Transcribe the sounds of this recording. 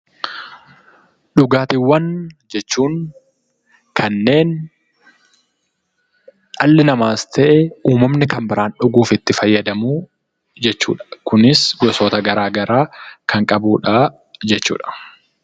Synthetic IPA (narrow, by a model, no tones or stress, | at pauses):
ɗʊɡaːt̪iwːɐnd͡ʒɛt͡ʃːuːŋ | kʰɐnːe̞ːn | ʔɐlːɪnɐmaːst̪ʰɛʔɛuːmɐmnɪkɐmbɪɾaːnᶑʊɡuːfɪt̪ːɪfɐjːɐd̪ɐmuː | d͡ʒɛt͡ʃːṵːᶑɐ̥kʊnɪsɡɔsoːt̪ɐɡɐɾaːɡɐɾaːkʰɐŋkʼɐbuːᶑaː | d͡ʒɛt͡ʃːṵːᶑɐ̥